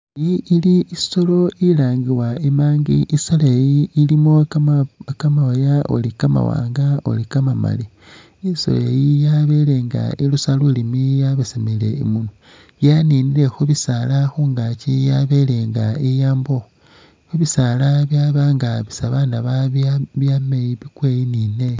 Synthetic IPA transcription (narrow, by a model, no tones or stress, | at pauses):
iːliiso̞lo̞ilaːŋɡiwaemaːŋɡḭʔisolejiːlimo | kamawajao̰likama̰wa̰ːŋɡao̰likamama̰li | iso̰lejijaβe̞le̞ːŋɡa̰ilusalulimijaβesamile̞̰imunu | janiːniɾe̞xuβisalaxuŋɡacijaβe̞leːŋɡaijaːmbo̞ | xuβisalaβjaβaːŋɡaβisaβandaβaββjamejiβikwejinine̞